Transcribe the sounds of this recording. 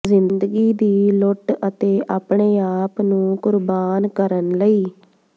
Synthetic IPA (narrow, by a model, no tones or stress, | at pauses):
zɪnnd̪əɡiːd̪iːlʊʈət̪eːʔaːpɳeːaːpnũːkʊɾbaːnkəɾənləiː